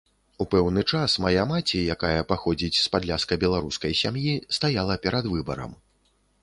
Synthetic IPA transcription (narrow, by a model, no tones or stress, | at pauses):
upɛwnɨt͡ʂasmajamat͡sʲijakajɐpaxɔd͡zʲit͡sʲspad̪lʲaskɐbʲɛlˠaɾuskɐjsʲamjist̪ajalˠɐpʲɛɾɐd̪vɨbɐ̰ɾɐ̰m